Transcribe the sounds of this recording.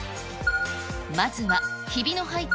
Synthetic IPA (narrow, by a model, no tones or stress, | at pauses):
mazɨβaçibʲino̞ɦait̪